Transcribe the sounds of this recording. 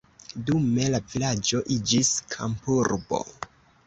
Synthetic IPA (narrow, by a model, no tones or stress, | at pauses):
dume̞lavilad͡ʒo̞ʔid͡ʒiskʰa̰mpuɾbo̞̰